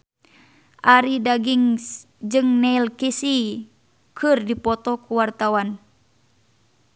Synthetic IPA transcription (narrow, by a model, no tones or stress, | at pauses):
ʔaɾidaɡiŋs | d͡ʒɨŋnɛilkisi | kʰɨrdipɔt̪ɔkuwart̪awan